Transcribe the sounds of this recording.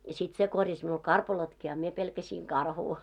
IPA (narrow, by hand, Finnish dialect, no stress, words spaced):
jɑ sit se korjɑs miul kɑrpɑlotki ɑ mie pelkæsiːŋ kɑrhuː